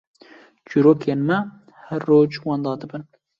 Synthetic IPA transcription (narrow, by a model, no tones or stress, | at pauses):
t͡ʃuɾoːkʰeːnmɛ | hɛɾːoːd͡ʒwɑːnd̪ɑːd̪ɨbɨn